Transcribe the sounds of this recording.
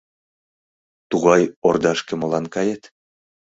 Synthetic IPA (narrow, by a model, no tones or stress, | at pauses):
t̪uɣɑjord̪ɑʃkĕmolɑnkɑjet̪